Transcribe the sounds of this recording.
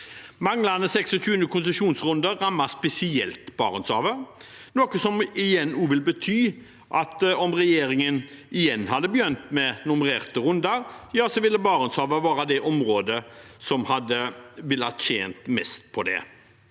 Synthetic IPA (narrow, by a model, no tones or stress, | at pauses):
mɑŋlɑnəsɛksɔçʉːənəkʰʊnsəʂuːnsʁʉnd̪əʁɑmːɑspɛsɪɛlt̪bɑːʁənsɑ̰ːʋəɾnoːkəsɔmɪjɛnːuːʋɪlbət̪ʰyː | ʔɑt̪ɔmʁɛjeːɾɪŋənɪjɛnːhɑd̪ːəbəjœnt̪mɛnʊmʁeːʁt̪əɾʉnd̪ɑɾjɑːsɔʋɪlːəbɑːɾənshɑːʋəʋɑːɾɑd̪ɛʔɔmɾoːd̪əsɔmhɑd̪ːəʋɪlːɑt̪çeːnt̪mɛ̰st̪̚pʰɔd̪ɛ̰